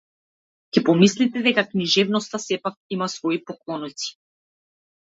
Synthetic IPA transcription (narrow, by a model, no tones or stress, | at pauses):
cɛpɔmislit̪ɛd̪ɛkakniʒɛvnɔst̪asɛpak̚imasvɔipɔklˠɔnɔt̪si̥